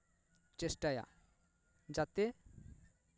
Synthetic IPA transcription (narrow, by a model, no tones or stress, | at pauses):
t͡ʃesʈaja̰ | d͡ʒat̪e